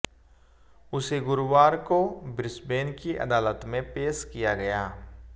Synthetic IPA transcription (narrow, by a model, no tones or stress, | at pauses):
ʊseɡʊɾwaːɾkobɾɪsbeːnkiʔɐ̰d̪aːlət̪mẽpeːʃkijaɡɐjaː